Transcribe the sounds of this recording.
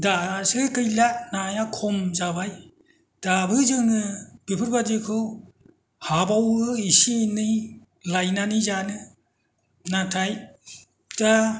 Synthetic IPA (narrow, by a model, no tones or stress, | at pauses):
dasɯkɯjlanajakʰɔmzabaj | d̥abɯzɯŋnɯb̥ipʰɯɾbadikʰɯw | habawɯisinɯj | lajnanizanɯ | natʰaj | ta